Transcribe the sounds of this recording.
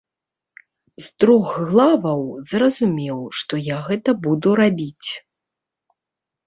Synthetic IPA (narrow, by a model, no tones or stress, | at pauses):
zt̪ɾɔxɣlˠavɐwzrɐzumʲɛwʂt̪ɔjaɣɛt̪ɐbud̪uɾabʲit͡sʲ